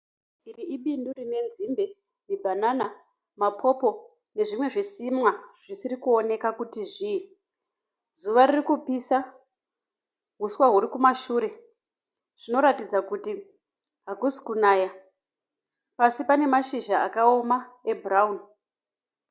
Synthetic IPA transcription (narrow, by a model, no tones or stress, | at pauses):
iriiɓindurine̞nzimbe | mibʱanana | mapʰo̞po̞ | ne̞ʐimwe̞ʐisimwaʐ̥isiɾikuo̞ne̞kakutiʐii | zuʋaririkupisa | ɦuswaɦuɾikumaʃuːɾe̞ | ʐ̥ino̞ɾatid͡zakuti | ɦakusi̥kunaːja | pasipane̞maʃiʒaakao̞maebraun